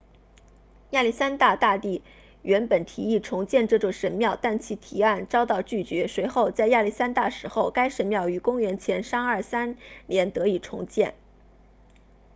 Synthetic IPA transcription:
ja˥˧li˥˩sa˥nt̪a˥˧t̪a˥˧t̪i˥˩ | ɥʔɛ˧˥npə˨˩nt̪ʰi˧˥i˥˩ʈ͡ʂʰʊ˧˥ŋt͡ɕjɛ˥˧nʈ͡ʂɤ˥˩ʈ͡ʂʊ˨˩ŋʂə˧˥nmjɑ˥˧ʊt̪a˥˩nt͡ɕʰi˧˥t̪ʰi˧˥a˥˩nʈ͡ʂɑ˥ʊt̪ɑ˥˧ʊt͡ɕy˥˩t͡ɕɥɛ˧˥swe˧˥ɪxo˥˧ʊt͡sa˥˧ɪja˥˧li˥˩sa˥nt̪a˥˩ʂɻ̩˧˥xo˥˩ʊka˥ɪʂə˧˥nmjɑ˥˩ʊy˧˥kʊ˥ŋɥɛ˧˥nt͡ɕʰjɛ˧˥nʂɑ˥ŋə˞˥˩sa˥nljɛ˧˥nt̪ɤ˧˥i˨˩ʈ͡ʂʰʊ̰˧˥ŋt͡ɕjɛ˥˩n

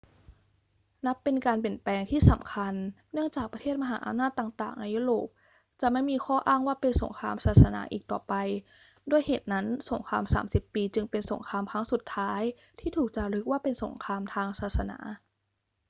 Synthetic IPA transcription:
na˦˥pːe˧nkaː˧np̬i˨˩ənplɛː˧ŋt̪ʰiː˥˩sa˩˦mkʰa˧nː | ɯ˥˩əŋt͡ɕaː˨˩k̚pɾa˧t̪ʰeː˥˩t̪̚ma˧ɦa̰ː˩˦ʔa̰˧mnaː˥˩t̪ːaː˨˩ŋt̪aː˨˩ŋna˧jːuː˦˥˩ɾoː˨˩p̚ | t͡ɕa˨˩ma˥˩jmiː˧kʰɔː˥˩ʔaː˥˩ŋwaː˥˩pe˧nso˩˦ŋkʰaː˧msaː˨˩t̪̚sa˧na̰ː˩˦ʔiː˨k̚t̪ɔː˨˩pa˧j | doː˧˩əjheː˨˩t̪̚na˦˥nso˩˦ŋkʰaː˧msa̰ː˩˦msi˨˩pːiː˧t͡ɕɯ˧ŋpe˧nso̰˩˦ŋkʰaː˧mkʰa˦˥ŋsu˨˩t̪ʰːaː˦˥j | t̪ʰiː˥˩t̪ʰuː˨˩k̚t͡ɕa˨˩ɾɯ˦˥k̚waː˥˩pe˧nso̰˩˦ŋkʰaː˧mt̪ʰaː˧ŋsaː˨˩t̪̚sa˧na̰ː˩˦

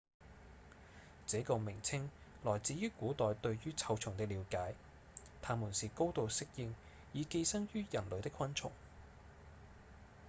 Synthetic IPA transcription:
t͡sɛː˨˥kɔː˧mɪ˨˩ŋt͡sʰɪ˥ŋ | lɔː˨˩jt͡siː˨˥jyː˥kuː˨˥t̪ɔː˨jt̪ɵ˧ɥɥyː˥t͡sʰɐ˧wt͡sʰʊ˨˩ŋt̪ɪ˥k̚liː˨˧wkaː˨˥j | t̪ʰaː˧muː˨˩nsiː˨ko˥wt̪o˨˧wsɪ˥k̚jɪ˧ŋ | jiː˨˧ke˧jsɐ˥ŋjyː˥jɐ˨˩nlɵ˨˧t̪ɪ˥kʰːɐ˥nt͡sʰʊ̰˨˩ŋ

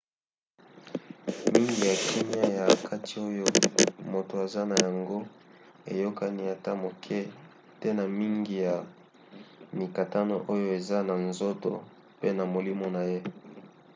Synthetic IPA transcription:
mi˦ŋɡi˨ja˨kʰi˦mja˦ja˨kʰa˦ti̥˨o˦jo˦mo˨to˨a˨za˦na˨ja˨ŋɡo˦ | ḛ˨jo˦ka˦ni˦a˨ta˦mo˨kʰɛ˦ | tɛ˦na˨mi˦ŋɡi˨ja˨ | ni˨ka˨ta˦no˦ʔo˦jo˦e˨za˦na˨nzo˦to̰˨ | pe˦na˨mo˨li˦mo˨na˨je˦

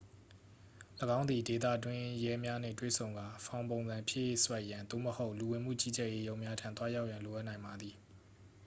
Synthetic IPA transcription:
ləɡã˦ʊ̃nd̪i˨de˨t̪ä̰˦˨twɪ̃˦jɛ˦mja˦n̥ɪ̰̃˦˨twḛ˦˨sʰõ˨ʊ̃ŋɡa˨fʰã˨ʊ̃põ˨nzã˨mpʰjɪ˦ʔjḛ˦˨swɛ˦ʔjã˨nt̪o̰˦˨məho˦ʊʔlu˨wɪ̃˨m̥ṵ˦˨t͡ɕḭ˦˨d͡ʑɛ˦ʔje˦jõ˦ʊ̃mja˦tʰã̰˦˨t̪wa˦ja˦ʊʔjã˨nlo˨ʔa˦ʔnã˨ɪ̃mba˨d̪ði˨

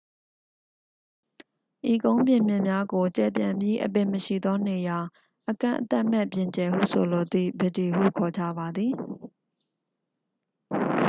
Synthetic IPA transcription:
ʔi˨kõ˦ʊ̃mbjɪ̃˨mjɪ̃˦˨mja˦ɡo˨t͡ɕɛ̰˨pjã˨mbji˦ʔə̰˨pɪ̃˨məʃḭ˦˨d̪ɔ˦ne˨ja˨ | ʔəkã̰˦˨ʔət̪ɛ˦ʔmɛ̰˦˨pjɪ̃˨ɲt͡ɕɛ˨hṵ˦˨sʰo˨lo˨d̪ḭ˦˨bə˨ti˨ɦṵ˦˨kʰɔ˨d͡ʑä̰˦˨ba˨d̪ði˨

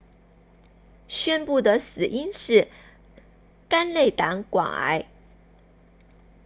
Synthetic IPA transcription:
ɕɥɛ˥npu˥˩d̪ə˩sɹ̩˨˩ʔi˥nʂɻ̩˥˩ | ka˥nle˥˩ɪt̪a˧˥ŋkwɑ̰˨˩ŋa̰˧˥ɪ

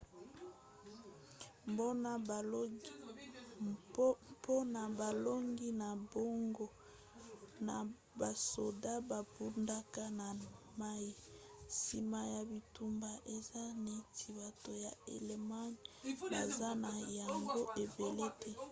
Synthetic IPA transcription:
mbo˦na˦˨˦ | po˦na˨ba˨lo˦ŋɡi˦na˨bo˦ŋɡo˦ | na̰˨ | ba˨so˨da˦ba˨bu˦nda˦ka˦na˨ | ma˦ji˦˨si˨ma˨ja˨bi˨tu˨mba˨ʔe˨za˦ne˦tʰi˨ba˨to˨ja˨e˨le˨ma˦ɲba˨za˦na˨ja˨ŋɡo˦ʔe˨be˨le˦tɛ˦

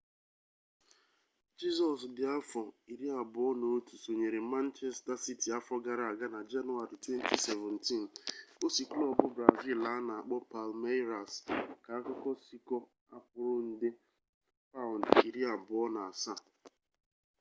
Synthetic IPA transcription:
d͡ʒi˦zɔ˨sdɪ˨a˦fɔ˨i˨ɾi˦a˨bʊ˨ɔ˦no˨˦tu˨so˨ɲe˨ɾe˨ma˦n̩˦t͡ʃɛ˦sta˦si˦ti˨a˦fɔ˦ɡa˨ɾa˨a˨ɡa˦na˨d͡ʒa˦nu˦a˨ɾi˨twe˦n˦tʰi˦se˨vɛ˨n̩ti˦˨n˨o˦si˨klɔ˦bʊ˦bɾa˨vi˦la˨˦a˦na˨a˨k͡pɔ˦pa˨lme˦ɾa˨ska˨a˦kɔ˦kɔ˦si˦kɔ˦ | a̰˦pʊ˨ɾʊ˦n̩˦dɪ˦ | fa˦ʊ˨ndi˨ɾi˦a˨bʊ˨˦ɔ˦na˨a˨sa˦˨

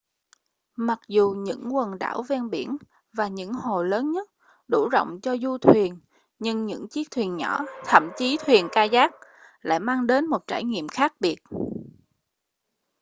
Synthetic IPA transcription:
ma˨˩k̚zu˨˩ɲɨ̰˧˥ŋkwə˨˩nɗa̰ː˧˩wvɛ˧nɓi˧˩ən | vaː˨˩ɲɨ̰˧˥ŋho˨˩ləː˨˦nɲə˦˥t̚ | ɗu˧˩zo̰˧˨wŋ͡mt͡ɕɔ˧zu˧t̪ʰwi˨˩ən | ɲɨ˧ŋɲɨ̰˧˥ŋt͡ɕi˦˥ək̚t̪ʰwi˨˩ənɲɔ˧˩t̪ʰə̰˧˨mt͡ɕi˨˦t̪ʰwi˨˩ənkaː˧zaː˦˥k̚ | la̰ː˧˨jmaː˧ŋɗe˨˦nmo˨˩t̚t͡ɕaː˧˩jŋḭ˧˨əmxaː˦˥k̚ɓi˨˩ət̚

